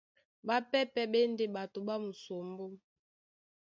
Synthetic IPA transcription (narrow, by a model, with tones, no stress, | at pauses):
ba˦pɛ˦pɛ˦ɓɛ˦n˦de˦ɓa˨to˨ɓa˦mu˨so˨mbo˦